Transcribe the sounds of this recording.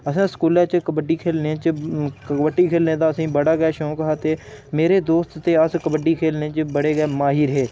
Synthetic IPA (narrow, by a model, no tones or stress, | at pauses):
əsãːskuːlãːt͡ʃkəbəɖiːkʰeːlnẽt͡ʃəkəbəʈːiːkʰeːlneːt̪d̪aːəsĩːbəɽaːɡɛːʃõːkəɦaːt̪eːmeːɾeːd̪oːst̪t̪eːəskəbəɖiːkʰeːlnẽːt͡ʃəbəɽeːɡɛːmaːɦiːɾɦeː